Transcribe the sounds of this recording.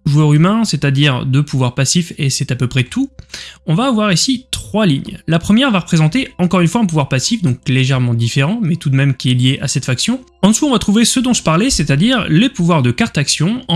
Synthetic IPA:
ʒuœʁymɛ̃set̪ad̪iʁd̪əpuvwaʁpasifesɛt̪apøpχɛt̪uɔ̃vaːvwaʁisit̪χwaliɲlapχəmjɛʁvaʁəpχezɑ̃t̪eɑ̃kɔʁynfwaɛ̃p̬uvwaʁpasifd̪ɔ̃kleʒɛʁmɑ̃d̪ifeʁɑ̃mɛt̪ud̪mɛmkʲiɛljeʔasɛt̪faksjɔ̃ | ɑ̃suɔ̃vat̪χuvesəd̪ɔ̃ʒəpaʁlɛsɛt̪ad̪iʁlepuvwaʁd̪əkaʁt̪aksjɔ̃ɑ̃

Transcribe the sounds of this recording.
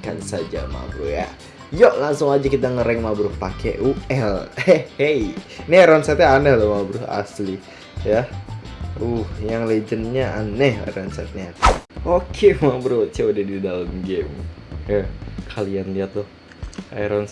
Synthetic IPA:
ka̰nsad͡ʒa̰ma̰bɾʊ̰hja̰ | joʔlaŋsʊŋad͡ʒakit̪aŋəɾɛŋmabɾʊhpakʰeʔuɛlhejnɛɾɔnsɛt̪̚ɲaːnalamabɾʊa̰sli | ja | uhjaŋled͡ʒənɲaa̰nɛha̰ɾɔnsɛ̰t̪̚ɲaʔokʰemabɾut͡ʃaudahdidalamɡemjakʰalianliat̪ʊh | aɾɔn

